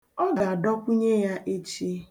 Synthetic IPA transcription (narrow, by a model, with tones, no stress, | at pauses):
ɔ˦ɡa˨dɔ˦kʷu˦ɲe˦ja˦ʔe˦t͡ʃi˦